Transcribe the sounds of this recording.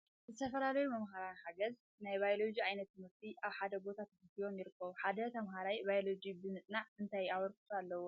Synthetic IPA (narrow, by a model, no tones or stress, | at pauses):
zɨt̪ʰɐfɐlalɐjumɐmhaɾaħaɡɐz | najbajolod͡ʒiajnɐt̪ːɨmɨɾt̪ʰiʔaβħad̪ɐbo̞t̪ʰat̪ʰɐɡɨijo̞mjɪɾɨkʰːɐβuħad̪ɐt̪ʰɐmɦaɾajbajolod͡ʒibɨnɨt̪ʼnaʕɨnt̪ʰajaβɐɾkɨ̥t̪ʰualːɐwo